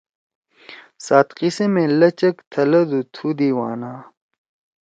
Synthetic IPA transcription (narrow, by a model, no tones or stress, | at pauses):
saːt̪qisemẽlɐt͡ɕɐkt̪ʰɐlɐd̪ut̪ʰud̪iwaːnaː